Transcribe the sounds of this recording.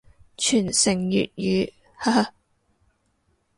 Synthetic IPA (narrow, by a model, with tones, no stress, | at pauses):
t͡ʃʰyː˨˩nsɪ˨˩ŋjy̰ː˨t̚jyː˨˥ | ha˥˧